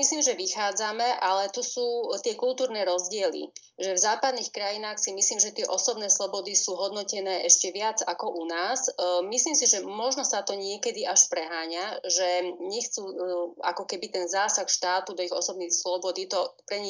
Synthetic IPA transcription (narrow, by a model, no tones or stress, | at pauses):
misliːmʒɛʋixaːd͡zamɛʔalɛt̪usuːt̪ɪɛkult̪uːɾnɛːɾɔzɟɪɛlḭ | ʒɛvzaːpad̪nixkɾajinaːxsimisliːmʒɛt̪ɪɛʔɔsɔbnɛːslˠɔbɔd̪isuːɦɔd̪nɔcɛnɛːʔɛʃcɛʋɪad͡zakɔʔunaːzmisliːmsiʒɛmɔʒnɔsat̪ɔɲɪɛkɛd̪iʔaʃpɾɛɦaːɲaʒɛɲɛxt͡suːa̰kɔkɛbit̪ɛnzaːsaxʃt̪aːt̪ud̪ɔiɣɔsɔbnixslɔbɔd̪it̪ɔpɾɛɲi